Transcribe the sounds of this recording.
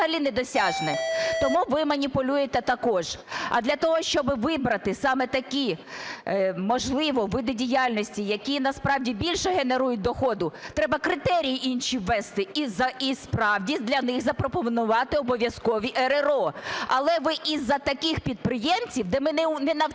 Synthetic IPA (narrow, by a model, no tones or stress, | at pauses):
ɦɐlʲinɛd̪ɔsʲɑʒnɛt̪ɔmuʋɪmɐnʲipʊlʲujet̪ɛt̪ɐkɔʒ̥ɐ̰d̪lʲɐt̪ɔɦɔʃt͡ʃɔbɪʋɪbɾɐt̪ɪsɑmɛt̪ɐkʲi | mɔʒlˠɪʋɔʋɪd̪ɪdʲijɑlʲnɔsʲtʲijɐkʲinɐspɾɑwdʲibʲilʲʃɛɦeneɾujʊt̚ʲd̪ɔxɔd̪ʊt̪ɾɛbɐkɾɪt̪ɛɾʲijiʔinʃʲiʋːɛst̪ɪizɐispɾɑwdʲid̪lʲɐnɪɣzɐpɾɔpɔʋnʊʋɑt̪ɪɔbɔʋʲjɐskɔʋʲiʔeɾeɾɔɐlˠɛʋɪʔizːɐt̪ɐkʲɪxpʲid̪̚pɾɪjɛmt͡sʲiwd̪ɛmɪnɛnɛnɐ